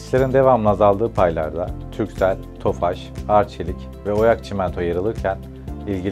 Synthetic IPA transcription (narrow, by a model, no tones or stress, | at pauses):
slʲe̞ɾind̪e̞vamɯnazalˠd̪ɯːpʰajlˠa̰ɾd̪ˠa̰t̪ʰycʲsælʲt̪ʰo̞faʃ | aɾt͡ʃʰelʲic | vɛo̞jakt͡ʃʰimɛnt̪ʰojaɾɯlˠɯɾcʰæn | ilʲɟi